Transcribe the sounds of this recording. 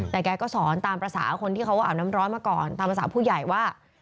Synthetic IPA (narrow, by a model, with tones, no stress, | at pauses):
t̪ɛː˨˩kɛː˧kɔː˥˩sɔː˩˦nt̪aː˧mpɾa˧sa̰ː˩˦kʰo˧nt̪ʰi˥˩a˦˥wkɔː˥˩ʔːwna˦˥mɾɔː˦˥nmaː˧kɔː˨˩nt̪aː˧mpɾa˧saː˩˦pʰuː˥˩ja˨˩jwaː˥˩